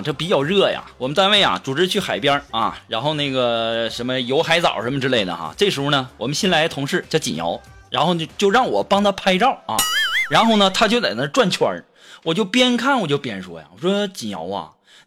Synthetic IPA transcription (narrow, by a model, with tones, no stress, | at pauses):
ʈ͡ʂɤ˥˩pi˧˥t͡ɕjɑ˥˩ʊɻɤ˥˩ja̰˩wɔ˨˩mə˦nt̪a˥˧nwe˥˩ɪja̰˩ʈ͡ʂu˨˩ʈ͡ʂɻ̩˥˧t͡ɕʰy˥˩xa˨˩ɪpjɐ˥ɐ̰˧ɻa˧˥nxo˥˧ʊna˥˩ɡə˩ʂə˧˥nmə˧jo˧˥ʊxa˧˥ɪt͡sɑ˨˩ʊ˩ʂə˧˥nmə˧ʈ͡ʂɻ̩˥le˥˩ɪd̪ə̰˩xa̰˧ʈ͡ʂɤ˥˩ʂɻ̩˧˥xu˥˧˩nə˩wɔ˨˩mə˦nɕjɛ˥nla˧˥ɪt̪ʰʊ˧˥ŋʂɻ̩˥˩t͡ɕjɑ˥˩ʊt͡ɕḭ˨˩njɑ̰˧˥ʊ | ɻa˧˥nxo˥˧ʊ˥˧t͡ɕjo˥˧ʊɻɑ˥˩ŋwɔ˨˩pɑ˥ŋt̪ʰa˥pʰa˥ɪʈ͡ʂɑ˥˩ʊɐ̰˧ɻa˧˥nxo˥˩ʊnə˩t̪ʰa˥t͡ɕjo˥˧ʊt͡sa˨˩ɪnə˥ʈ͡ʂwa˥˩nt͡ɕʰɥwa̰˧˥ | wɔ˨˩t͡ɕjo˥˩˧ʊpjɛ˥nkʰa˥˩nwɔ˨˩t͡ɕjo˥˧ʊpjɛ˥nʂwɔ̰˥ja̰˨˩wɔ˨˩wɔ˥d̪ə˥˧t͡ɕi˨˩njɑ̰˧˥ʊɐ̰˧